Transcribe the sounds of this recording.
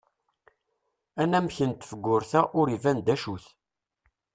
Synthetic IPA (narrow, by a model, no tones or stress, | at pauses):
ænæmçənt̪fəɡːʊɾθæʔʊɾivænd̪æʃuθ